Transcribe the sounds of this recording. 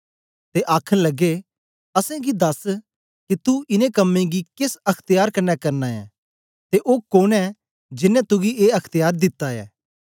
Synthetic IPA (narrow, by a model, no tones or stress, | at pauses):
t̪eʔaːkʰəlɐɡe | ɐsɛ̃ɡid̪ɐs | kit̪uɪnẽkɐmːẽɡikɪsɐkʰt̪ɪjaːɾkɐnːɛkɐɾnaɛ̰ː | t̪eʔoːkoːnɛ | d͡ʒɪnːɛ̃t̪ʊɡieːɐkʰt̪ɪjaːɾd̪ɪt̪ːaɛ̰ː